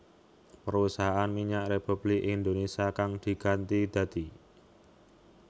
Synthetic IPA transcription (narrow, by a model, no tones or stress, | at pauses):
pəɾusaɦaanmiɲaʔrepub̥lɪkind̪onesiakaŋd̪̥i̤ɡ̥ant̪id̪̥ä̤d̪̥i